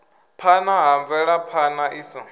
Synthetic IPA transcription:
pʰanaɦaɱvɛɺapʰanaʔisi

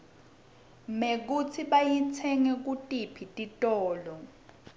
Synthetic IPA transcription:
mek̬ut͡sʰiɓajit͡sʰɛŋɛk̬utʼipʰitʼitʼɔːlɔ

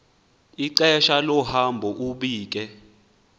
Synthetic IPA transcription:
iǀɛʃalɔhambʱɔʔuɓiːk̬ʼɛ

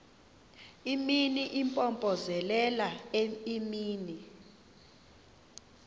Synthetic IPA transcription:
iminiʔimpʼɔmpʼɔzɛlɛlaimiːni

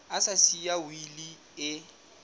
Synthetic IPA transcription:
asasiawili | ɪ

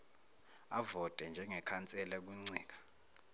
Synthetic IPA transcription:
avɔtʼɛnd͡ʒʱɛŋɛkʰant͡sʼɛlɛk̬uŋ͡ǀɛːk̬ḁ

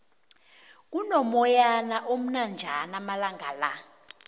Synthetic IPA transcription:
k̬unɔmɔjanaʔom̩nand͡ʒʱanamalaŋɡʱala̰

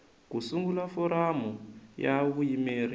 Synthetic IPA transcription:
kusuŋɡulafɔɾamujaβujimeːri

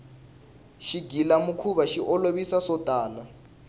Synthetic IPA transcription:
ʃiɡʱilamukʰuβaʃiʔɔloβisasɔd̥ʱaːna

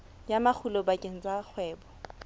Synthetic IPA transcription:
jamak͡xʰulɔbakʼeŋ̩t͡sʼak͡xʰwɛːbɔ

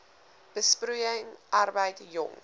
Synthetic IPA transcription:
b̥əsprujəŋʔɐrbəjtjɔ̰ŋ

